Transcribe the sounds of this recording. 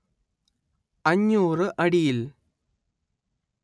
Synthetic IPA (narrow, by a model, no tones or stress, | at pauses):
ɐɲːuːrɨʔɐɽijil